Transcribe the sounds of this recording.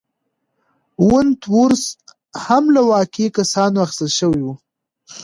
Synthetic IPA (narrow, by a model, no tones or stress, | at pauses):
wʊnt̪wuɾs | hamlawɑkekasɑnoaxst̪alʃəwiwu